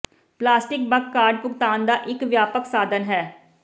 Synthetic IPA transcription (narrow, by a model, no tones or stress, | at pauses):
plaːsʈɪk̚bəkːaːɾɖpʊkt̪aːnd̪aːʔɪkʋjaːpəksaːd̪ənɦɛː